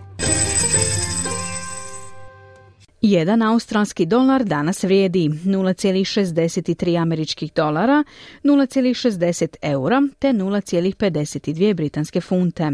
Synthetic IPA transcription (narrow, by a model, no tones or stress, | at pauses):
jed̪anaust̪ɾalˠskid̪o̞laɾd̪anasʋɾjeːd̪inuːlˠat̪sjeːlixʃezd̪e̞set̪it̪ɾiːameɾit͡ʃkixd̪o̞lˠaɾanuːlat̪sjelixʃe̞zd̪e̞se̞t̪ʰe̞uɾat̪e̞nuːlˠat̪sje̞ːlixpe̞d̪e̞set̪id̪ʋijebɾit̪anske̞funt̪e̞